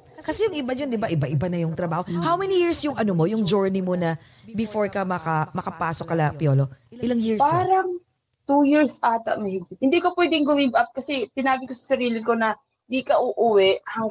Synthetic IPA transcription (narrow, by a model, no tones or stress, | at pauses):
kɐsɛjʊŋɪbad͡ʒɐnd̪ɪbaʔɪbaʔɪbanɐjʊŋt̪ɾɐbaːhohawmɛnijiɹsjʊŋʔɐnomo̞jʊŋd͡ʒoɹnimo̞nɐ | bɪfoɹkɐmɐkɐmɐkɐpaːsokːɐlɐpjoːloɪlaŋjiɹspaːɾɐŋ | t̪ujiɹsʔaːt̪ɐ̰ʔmɛhɪɡɪt̪̚hɪnd̪iːkopwɛd̪ɪŋɡʊmɪɡʔap̚kɐsɛsɪnaːbɪkosɐ̥sɐɾiːlɪko̞nɐ | ɪnd̪iːkɐʔʊʔʊwɛʔhɐŋ